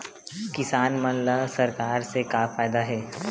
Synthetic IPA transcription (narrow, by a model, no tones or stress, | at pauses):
kɪsaːnmənlasɐɾkaːɾsekafaːɪd̪aɦɛː